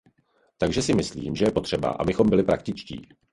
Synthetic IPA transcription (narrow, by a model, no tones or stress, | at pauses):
t̪aɡʒɛsɪmɪslḭːmʒɛjɛpo̞t̪r̥ɛba̰ʔa̰bɪxo̞mbɪlɪpɾak̚t̪ɪt͡ʃcḭː